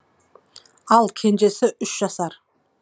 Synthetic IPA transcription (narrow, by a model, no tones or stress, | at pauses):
ɑlˠkʲʰe̞nd͡ʒe̞sɪʔʏʃʒ̥ɑsɑɾ